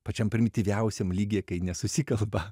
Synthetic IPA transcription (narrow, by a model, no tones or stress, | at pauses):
pɐt͡ʃʲɛmpʲɾʲɪmʲɪt̪ʲiʋʲɛʊsʲemlʲiːɡʲeːkɐɪnʲɛsʊsʲikɐlˠbɐ